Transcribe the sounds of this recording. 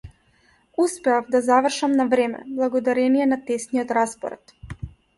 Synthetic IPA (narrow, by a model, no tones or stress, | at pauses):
uspeafd̪azaʋr̩ʃamnaʋɾeːmɛ̰blˠaɡod̪aɾenijenat̪esniot̪ɾaspo̰ɾa̰t̪